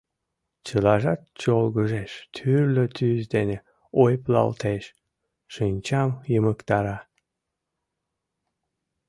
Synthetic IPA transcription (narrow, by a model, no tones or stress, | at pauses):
t͡ɕəlɑʒɑt̪̚t͡ɕolɣəʒeʃt̪ʰyrløt̪ʰyzd̪ene | ojplɑ̰lt̪eʃ | ʃɨnʲt͡ɕɑmjəməkt̪ɑɾɑ